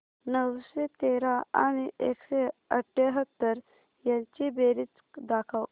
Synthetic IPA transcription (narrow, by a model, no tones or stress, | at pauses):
nəwɕet̪eɾaa̰ɽ̃iʔekɕeəʈʰːeɦət̪ːəɾ | jãt͡ɕibeɾit͡skd̪akʰaw